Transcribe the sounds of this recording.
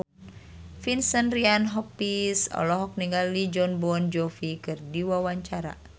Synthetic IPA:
finsənrianɦɔpisɔ̰lɔɦɔk̚niŋɡalid͡ʒɔnbɔnd͡ʒɔfikɨrdiwawaɲt͡ʃaɾa̰

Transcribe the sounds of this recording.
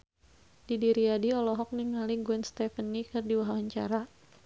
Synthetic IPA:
d̥idiɾiadiɔlɔɦɔk̚niŋaliɡuɛnst̪ɛfənːikɨrdiwaɦwaɲt͡ʃa̰ɾa

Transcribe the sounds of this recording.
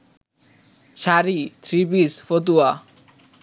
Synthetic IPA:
ʃaɾit̪ʰɾibisfot̪̬ua

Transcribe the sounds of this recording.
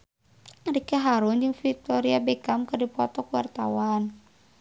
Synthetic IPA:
ɾikeɦaɾʊnd͡ʒɨŋfik̚t̪ɔɾiabekamkərdipɔt̪ɔkuwa̰rt̪a̰wan

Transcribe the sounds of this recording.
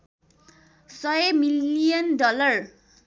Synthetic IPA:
sʌjemiliijʌndɔlʌr

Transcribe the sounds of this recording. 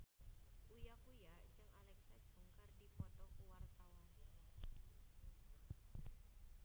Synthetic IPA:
ʔujakujat͡ʃəŋalɛksad̥ʒ̥ṳŋkərdipɔt̪ɔkuwart̪awan

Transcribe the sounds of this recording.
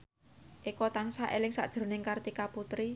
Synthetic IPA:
ʔikɔt̪aŋsaʔelɪŋsa̰ʔd̥ʒ̥ɾo̤nɪŋkart̪ikaput̪ɾi

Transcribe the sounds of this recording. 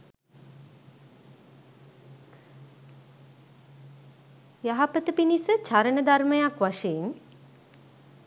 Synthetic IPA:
jaɦapət̪əpinisət͡ʃaɾəɳəd̪aɾməjakʋaʂein

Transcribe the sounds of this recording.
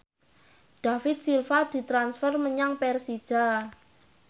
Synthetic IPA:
ɖ̥a̤fɪt̪̚silfad̪̥i̤t̪ɾansfərməɲaŋpɛrsi̥ʒ̥a

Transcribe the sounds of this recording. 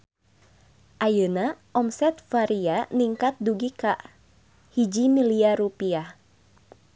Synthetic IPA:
ʔajənaʔɔmsɛt̪̚faɾianiŋkat̪̚duɡikaʔ | hid͡ʒimiliarupiah

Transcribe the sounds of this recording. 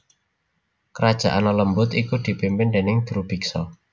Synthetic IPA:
kəɾad̥ʒ̥a̰ʔanɔləmbʊt̪ikud̪̥i̤pimpɪnd̪enɪŋd̪̥ɾub̥iksɔ

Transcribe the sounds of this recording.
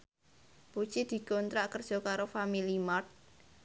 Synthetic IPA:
b̥u̥t͡ʃid̪̥i̤ɡɔnt̪ɾaʔkərd̥ʒ̥ɔ̤kaɾofamilimart̪̚

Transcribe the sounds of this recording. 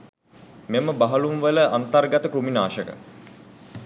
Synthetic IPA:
meməbaɦɐlumʋələʔant̪arɡat̪əkɾuminaːʃəkə̰

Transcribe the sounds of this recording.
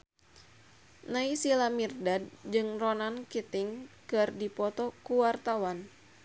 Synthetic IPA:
naisilamirdad̚d͡ʒɨŋrɔnankit̪ɪŋkɨrdipɔt̪ɔkuwart̪awan

